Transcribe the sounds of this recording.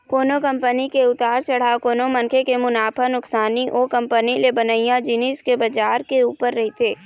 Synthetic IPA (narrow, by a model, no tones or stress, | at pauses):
koːnokɐ̃mpənikeʊt̪aːɾt͡ʃɐɽ̤akoːnomɐ̃nkʰekemʊnaːpʰanʊksaːniʔoːkɐ̃mpənilebənəɪjãd͡ʒiniskebɐd͡ʒaːɾkeuːpəɾːɐɦit̪ʰeː